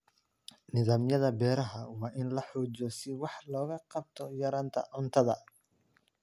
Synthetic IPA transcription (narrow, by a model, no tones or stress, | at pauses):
nɪðaːmjɐðɐbɛːɾɐɦɐwɑːʔɪnlɐħɔːd͡ʒɔsɪwɑħlɔːɣɐqɑb̚t̪ʰɔjɐɾaːnt̪ʰɐ̰ʕʊnt̪ʰɐðɐ